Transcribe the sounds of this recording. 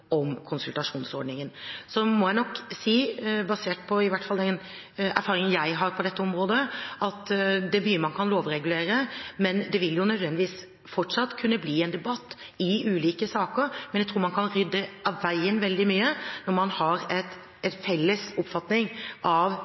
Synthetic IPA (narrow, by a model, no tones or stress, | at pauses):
ɔmkʰʊnsʉlt̪ɑʂuːnsɔɾɖɳnɪŋənsɔmɔjæɪnɔkːsiːbɑseːʈ̚pʰɔɪʋæʈfɑld̪ɛn | æ̰ɾfɑːɾɪŋənjæɪɦɑɾpʰɔd̪ɛt̪ːəɔmɾoːd̪əɑt̪d̪ɛbyːmɑnkʰɑnloːʋɾɛɡʉleːɾəmɛnd̪ɛʋɪljʊnœd̪ʋɛnd̪ɪʋiːs | fɔʈʂɑt̪ːkʰʉnːəbliːɛnd̪ɛbɑt̪ː | ɪʉːliːkəsɑːkəɾmɛnjæt̪ʰɾuːɾmɑnkʰɑnɾʏd̪ːɛʔɑʋʋæɪənʋɛld̪ɪmyːənɔɾmɑnhɑɾɛt̪ | ɛnfɛlːəsʊpfɑt̪nɪŋʔɑʋ